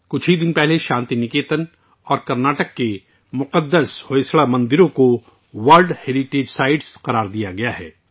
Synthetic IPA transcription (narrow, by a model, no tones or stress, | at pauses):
kʊt͡ʃʰɦid̪ɪnpɛɦleʃãːnt̪inɪkeːt̪ən | ɔːɾkɐɾnaːʈəkːe | mʊqəd̪ːəshoesɭamɐ̃nd̪ɪɾõko | ʋɐlɖheːɾiʈeːd͡ʒsaːɪɖsqɐɾaːɾd̪ijaɡɐjaɦɛ̰ː